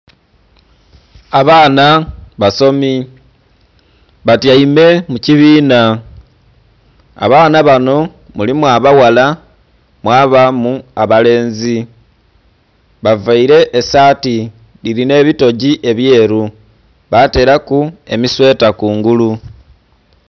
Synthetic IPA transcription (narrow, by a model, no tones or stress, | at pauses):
aβaːnaβaso̞mi | βatjaime̞muciβiːna | a̰βaːnaβano̞ | mulimwaβawala | mwaːβamuaβale̞ːnzi | βavaiɾe̞ʔːsaːti | liɾine̞ːβito̞ɟiʔe̞βje̞ːɾu | βate̞ːɾakue̞miswe̞ːtakuːŋɡulu